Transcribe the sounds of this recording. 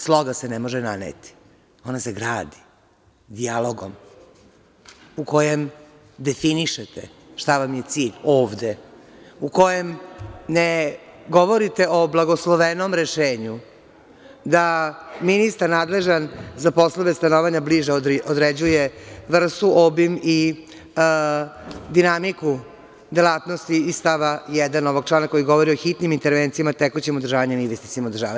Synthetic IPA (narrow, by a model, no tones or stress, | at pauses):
slˠo̞ɡasenemoʒena̰nḛt̪i̥ | o̞naseɡɾaːd̪i̥ | d̪ialˠoɡo̰m | uko̞jem | d̪efiniʃet̪ḛ | ʃt̪aʋamje̞t̪siːʎoːʋd̪e | uko̞jemneɡoʋo̞ɾit̪e̞oblˠaɡoslˠoʋeno̞mɾeʃeːɲu | d̪aminist̪aɾnaːd̪le̞ʒanzapo̞slˠoʋest̪anoʋaɲabliʒeod̪ɾed͡ʑujeʋr̩st̪uʔobimi | d̪inamiku | d̪elaːt̪no̞st̪iːst̪aʋajɛd̪anoʋoɡ̚t͡ʃlaːnako̞jiɡo̞ʋo̞ɾioxit̪nimint̪eɾʋent̪sijamat̪ekot͡ɕemod̪rʒaːʋaɲenizʋest̪it̪imod̪rʒa̰ːʋa